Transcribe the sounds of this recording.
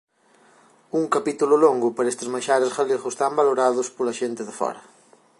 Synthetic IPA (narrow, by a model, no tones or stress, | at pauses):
uŋkɐpit̪ulʊloŋɡʊpaɾest̪ɪzmaʃaɾɐsɣaleɣʊst̪ambaloɾaðʊspolɐʃent̪ɪðɪfɔ̰ɾɐ